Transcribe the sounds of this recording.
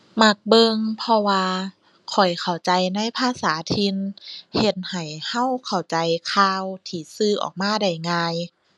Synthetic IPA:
ma˧˩k̚bɤ˧ŋpʰɔ˧waː˧ | kʰɔ˨˩jkʰa˨˩wt͡ɕa˧jna˧˥˨jpʰaː˧˨saː˨˦t̪ʰi˧nhe˧˩t̪̚ha˨˩jha˧˥˨wkʰa˨˩wt͡ɕa˨˦jkʰaː˧wt̪ʰiː˧˩sɯː˧˩ʔɔ̰ː˨˩k̚maː˧˥˨da˧˩jŋaː˧j

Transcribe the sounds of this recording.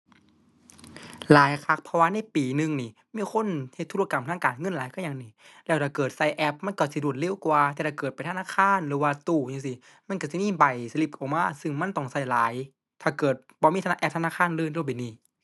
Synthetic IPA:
laː˨˦jkʰa˧˩k̚pʰɔ˧waː˧˨na˧˥˨jpiː˨˩nɯ˧ŋniː˧˩ | miː˧˥˨kʰo˧˥˨nhe˧t̪ʰːu˧˨˧ka˨˩mt̪ʰaː˧˥˨kaː˨nŋɤ˧˥˨nlaː˨˦jkʰa˧˥˩ɲaː˧˨ŋniː˧˩lɛː˧˩wt̪ʰaː˧˩kɤː˨˩t̪̚sa˧˩jʔɛ˧˥p̚ma˧˥˨nkɔ˧˩si˧˦du˨˩ət̪̚le˧˥˨wkwaː˧t̪ɛ˧t̪ʰaː˧˩kɤː˨˩t̪̚pa˨jt̪ʰa˧naː˧˥˨kʰaː˧˥˨nlɯː˨˦waː˧t̪uː˧˩ja˧˨ŋsi˧˩ | ma˧˥˨nka˧˩si˧˩miː˧˥˨ba˨˩jsa˧li˧˩p̚kɔ˨˩maː˧˥˨sɯ˧˩ŋma˧˥˨nt̪ɔ˧˩ŋsa˧˩jlaː˨˦j | t̪ʰaː˧˩kɤː˨˩t̪̚bɔː˧˦mː˧˥˩t̪ʰa˧ʔɛ˧p̚t̪ʰnaː˧˥˨kʰaː˧˥˨nlɯː˧˩˨ndɯ˧˨pa˨˩niː˧˩

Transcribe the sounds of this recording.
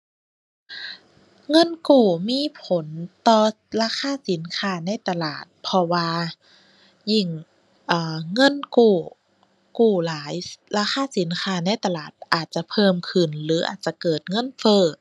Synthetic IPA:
ŋɤ˧˥˨nkuː˨˩miː˧˥˨pʰo˨˦nt̪ɔː˧˩ | laː˧˥˨xʰaː˧˥˨si˨˩˦nkʰaː˧˥na˧˥˨jt̪a˧laː˨˩t̪̚pʰɔ˧waː˧ | ji˧˩ŋ | ʔaː˨˩ŋɤ˧˥˨nkuː˨˩ | kuː˨˩laː˨˦jlaː˧˩xaː˧˥˨si˨˩˦nkʰaː˧˥na˧˨jt̪a˧laː˨˩t̪̚ʔaː˨˩t̪̚t͡ɕa˨˧˩pʰɤː˧˨mkʰɯ˨˩nlɯː˩˦ʔa̰ː˨˩t̪̚t͡ɕa˧˩kɤː˨˩t̪̚ŋɤ˧˥˨nfɤː˧˩

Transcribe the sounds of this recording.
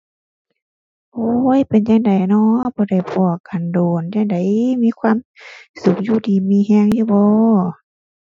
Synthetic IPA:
ʔoː˧˦˨jpe˨nɲa˧ŋda˨˩jnɔ˧˥bɔː˧˦da˧˩jpʰɔː˧˩ka˨˩ndoː˨˩nja˧ŋda˨˦jmiː˧˥˨kʰwaː˧˥˨msu˨˧˩k̚juː˧˩tʰiː˧˩miː˧˥˨ɦɛː˧˨ŋjuː˧˨bɔː˧˦

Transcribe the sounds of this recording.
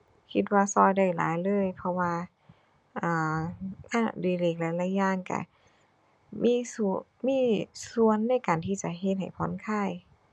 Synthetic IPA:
kʰi˧t̪̬̚waː˧sɔː˧˩jda˧˩jla̰ː˨˦jlɤː˧˥˨jpʰɔ˧waː˧ | ʔaː˨˩ʔa˧˥˩diː˧˩leː˧˩k̚lɛː˧˥la˧˥jaː˧˩˨ŋka̰˧˩ | mʔiː˧˥˨su˧miː˧˥˨su˧˩ənːa˧˥˩jkaː˨˩nt̪ʰiː˧˩t͡ɕa˧˩ɦe˧t̪̚ɦa̰˨˩jpʰɔ˧˥˨nkʰaː˧˥˩j

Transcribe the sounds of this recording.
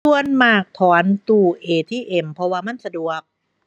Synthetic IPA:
u˧ənmaː˨˩k̚t̪ʰɔː˨˦nt̪uː˧˩ʔeː˨˩t̪ʰiː˥˩ʔe˨˩mpʰɔ˧waː˧ma˥˨nsa˧du˨˩ək̚

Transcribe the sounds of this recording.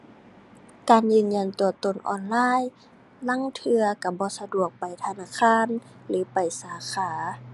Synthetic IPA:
kaː˨njɯː˧˩˨nɲa˧˩˨nt̪u˨˧˩ɐt̪o˧˩nʔɔ̰ː˧˩nlaː˧˥˨j | la˧˥˨ŋt̪ʰɯ˧ɐka˧˩bɔː˧˦sa˧du˧˩ək̚pa˨jt̪ʰa˧naː˧˨kʰaː˧˥˨nlɯː˨˦pa˨˩jsaː˨˧˦kʰaː˨˧˦

